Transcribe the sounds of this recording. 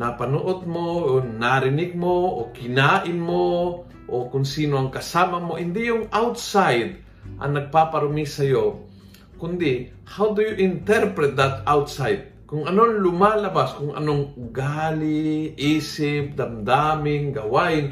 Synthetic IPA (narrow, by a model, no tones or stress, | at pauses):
napɐnuʔot̪̚moonaɾɪnɪɡ̚moʔokɪnaːʔɪnmo | ʔokʊŋsiːnoʔɐŋkɐsaːmɐmoʔɪnd̪ijʊŋʔawt̪sajd̪ | ʔɐ̰ŋnɐɡ̚papɐɾomisɐjo | kʊnd̪ɪ | hawd̪ʊjuʔɪnt̪ɛɾpɾɛt̪̚d̪ɐt̪awt̪sajd̪̚ | kʊŋʔɐnonlʊmalɐbaskʊŋɐ̰noŋɡaːlɪʔiːsɪp̚d̪ɐmd̪amɪŋɡɐwaɪn